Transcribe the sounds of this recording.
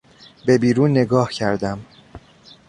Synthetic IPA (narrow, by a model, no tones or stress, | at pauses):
be̞biːɾuːnːe̞ɡɒːhcʰæɾd̪æm